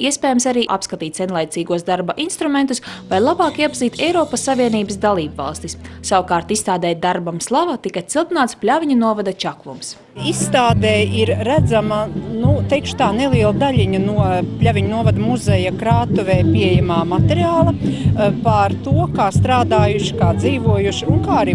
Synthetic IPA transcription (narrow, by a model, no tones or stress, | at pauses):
iɛspɛːjamsaɾiːʔa̰pskat̪iːt̪ʲsɛnlˠajt̪siːɡuɔsd̪aɾbaʔinst̪ɾument̪usvajlˠabɑːkiɛpaziːt̪ʰɛjɾɔːpasːaviɛniːbəsd̪alˠiːbvɑ̰lˠst̪issawkaːɾt̪ist̪aːd̪ɛːd̪aɾbamslˠavat̪ikat̪silˠt̪inaːt̪splʲavʲiɲunuɔvad̪at͡ʃakvṵms | isːt̪aːd̪ɛːiɾːæd̪zamɐnut̪ɛjkʃʊ̥t̪aːnelˠiɛlˠd̪aʎʲiɲɐnuɔpʎʲavʲiɲunuɔvad̪muzɛjakɾaːt̪uvɛːpiɛjamaːmat̪ɛɾiaːlˠɐpaɾt̪uɔkaːst̪ɾaːd̪aːjuʃi̥kaːd̪ziːvuɔjuʃiunkaːaɾiː